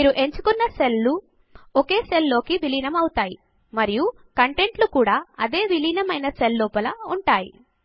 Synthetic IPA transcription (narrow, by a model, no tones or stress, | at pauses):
miːɾuʔe̞ɲt͡ʃu̥kɔnːɐse̞lːu | oke̞ːse̞lːo̞ːkiʋiliːnɐmɐwut̪aːji | mɐɾiju | kɐɳʈe̞ɳʈlukuːɽaːɐd̪e̞ːʋiliːnɐmɐjnɐse̞lːuːpɐlɐuɳʈaːjḭ